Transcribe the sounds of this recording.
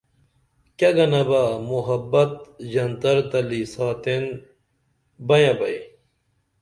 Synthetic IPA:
kɐɡɐnɐbaːmuɦɐbːɐt̪̚ʑɐnd̪ɐɾd̪ɐlisaːt̪en | bɐjɐbɐj

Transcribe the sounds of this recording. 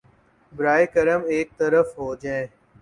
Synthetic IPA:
bɾaːeːkəɾəmeːk̚t̪əɾəfɦoːd͡ʒãẽː

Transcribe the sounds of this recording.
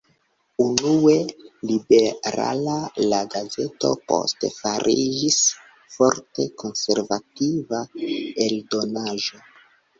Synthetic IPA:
unue̞libe̞ɾa̰lalaɡaze̞to̞̰po̞̰stefaɾʔid͡ʒis | fo̞ɾte̞ko̞nse̞ɾvativaeldo̞naʒo̞

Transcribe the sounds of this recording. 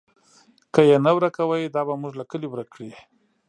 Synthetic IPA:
kəjenawɾakawəjd̪ɑbamuʐlakəliwɾakɽi

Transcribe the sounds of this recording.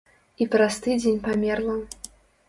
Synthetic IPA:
ipɾast̪ɨd͡zʲenʲpamʲɛrlˠɐ

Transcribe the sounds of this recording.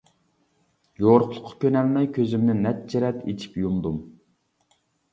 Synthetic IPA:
joɾʊqlˠʊ̥qʰːɑ̥kʲønɛlmɛjkʲʰøzymnɪnɛt̪̚t͡ʃʰiɾɛt̪ʰet͡ʃʰi̥pjumd̪um

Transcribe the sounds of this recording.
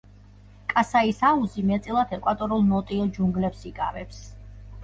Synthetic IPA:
kʼasaisauzimɛt̪sʼilˠat̪ʰɛkʼwat̪ʼɔɾulˠmɔt̪ʼiɔd͡ʒuŋɡlɛpsikʼaɾɛps

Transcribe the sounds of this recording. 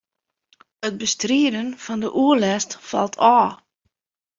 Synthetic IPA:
ət̚bəstriədənfɔndəʔuəlɛstfɑ̰lˠtʰɔː

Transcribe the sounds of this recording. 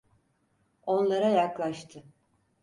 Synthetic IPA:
o̞nlˠaɾajaklˠaʃt̪ʰɯ

